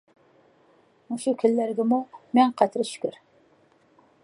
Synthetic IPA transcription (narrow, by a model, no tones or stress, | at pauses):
uʃukʲʰɪlːæɾɡʲɪmumɛŋqʰæt̪ʰɾɨʃy̥kʲyɾ